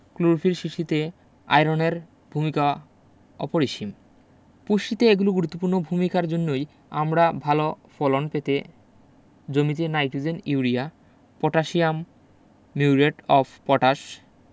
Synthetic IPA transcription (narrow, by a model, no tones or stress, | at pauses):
kluɾfʰilʃiʃit̪e | a̰jɾoneɾ | bʱumika | ɔ̰poɾiʃim | puʃʈit̪eeɡuloɡuɾut̪ːopuɾnobʱumikaɾd͡ʑonːoj | amɾabʱalo | fɔlonpet̪e | d͡ʑomit̪enajʈud͡ʑeniuɾia | pɔʈaʃiamː | iuɾeʈɔfʰpɔʈaʃ